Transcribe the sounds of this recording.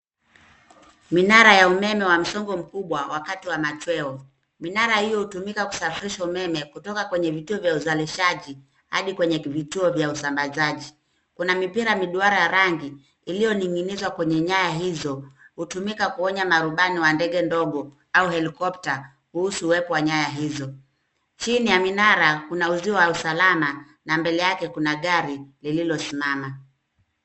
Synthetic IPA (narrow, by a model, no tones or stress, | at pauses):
minaɾajaumɛmɛwam̩sɔŋɡɔm̩kuɓwawakatiwamat͡ʃwɛɔ | minaɾahijɔhutumikaku̥safiɾiʃaumɛmɛkutɔkakwɛɲɛvituɔvjauzaliʃaʄi | ha̰ɗikwɛɲɛvituɔvjausambazaʄi | kunamipiɾamiɗuaɾajaɾaŋɡiː | lijɔniŋɡinizwakwɛɲɛɲajaɦizɔhutumikakuɔɲamaɾuɓaniwandɛɠɛndɔɠɔ | auhɛlikɔp̚ta | kuhusuːwɛpɔwaɲajaɦizɔ | t͡ʃinijaminaɾakunauziwɔwausalama | nambɛlɛjakɛkunaɠaɾilililɔsimama